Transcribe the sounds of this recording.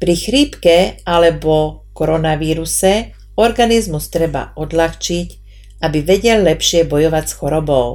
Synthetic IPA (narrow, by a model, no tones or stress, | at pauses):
pɾixɾiːpkɛalɛbɔkɔɾɔnaʋiːɾusɛ | ɔɾɡanizmust̪ɾɛba̰ʔɔd̪laxt͡ʃic | abiʋɛɟɛllɛpʃɪɛbɔjɔʋacsxɔɾɔbɔʊ